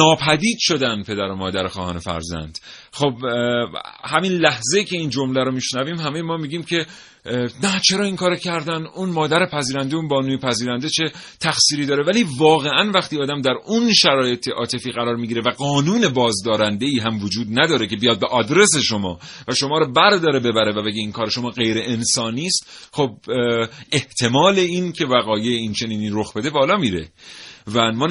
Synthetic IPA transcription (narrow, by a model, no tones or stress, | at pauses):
nɒːpʰæd̪iːd̪ʃo̞d̪ænpʰe̞d̪æɾomɒːd̪æɾexɒːhɒːne̞fæ̰ɾzæ̰nd̪̥ | xob | hæminlæhzejiːcʲʰe̞iːnd͡ʒo̞mlæɾomiʃnæviːmhæme̞jemɒːmiːɟiːmcʰe̞ | næt͡ʃʰe̞ɾɒːiŋkʰɒːɾecʰæɾd̪ænd̪unmɒːd̪æɾepʰæziːɾænd̪eunbɒːnuːmipʰæziːɾænd̪e̞t͡ʃʰe̞t̪ʰæxsiːɾiːd̪ɒːɾe̞væliːvɒːɣeʔænvæxt̪iːɒːd̪æmd̪æɾunʃæɾɒːje̞t̪ʰe̞ʔɒ̰ːt̪ʰe̞fiːɣæɾɒːɾmiɟiːɾevæɡɒːnuːne̞bɒːzd̪ɒːɾænd̪e̞iːɦæmvod͡ʒuːd̪næd̪ɒːɾece̞bijɒːd̪̚beʔɒːd̪ɾe̞se̞ʃo̞mɒ̰ːvæʃo̞mɒːɾɔbæɾd̪ɒːɾebe̞bæɾe̞væbe̞ɡeiːnkʰɒːɾeʃo̞mɒːɣe̞jɾe̞ʔensɒːniːst̪xob̚ | e̞ht̪ʰe̞mɒːle̞iːncʰe̞væɣɒːjeint͡ʃʰe̞niːniːɾo̞xbe̞d̪e̞bɒːlɒːmiːɾe̞̰vænmɒː